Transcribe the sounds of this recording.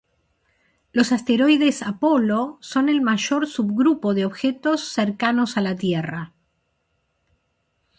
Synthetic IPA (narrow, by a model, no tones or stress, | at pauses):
lo̞sast̪eɾo̞jðe̞sapo̞lo̞so̞ne̞lmaʒo̞ɾsuβɣɾupo̞ðeoβxet̪o̞sːeɾkanosalat̪jera